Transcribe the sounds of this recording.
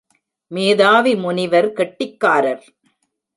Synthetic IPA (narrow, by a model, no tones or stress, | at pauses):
meːðaːʋimʊnɪʋɐɾkɛʈːɪkːaːɾɐɾ